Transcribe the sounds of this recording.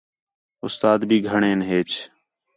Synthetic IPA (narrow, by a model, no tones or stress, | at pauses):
ʊst̪aːd̪bʱiːɡʱəɳẽːnɦeːt͡ʃ